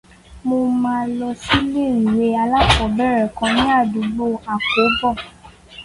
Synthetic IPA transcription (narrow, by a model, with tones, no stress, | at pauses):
mo˧mãː˧lɔ˧si˦le˦˨ɾi˨ɾe˧˦a˧la˦fɔ˨bɛ˦˨ɾɛ˨kã˧nĩ˦a˦˨du˨˧ɡ͡bo˦˨a˨ko˨˦bɔ˦˨